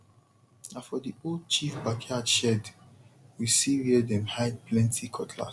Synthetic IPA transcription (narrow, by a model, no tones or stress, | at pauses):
nafɔdiolˠd̚t͡ʃifbakʰadʃɛdwisiwiɛdɛ̃mhaɪpʰlɛ̃ntʰikʰɔtʰla̰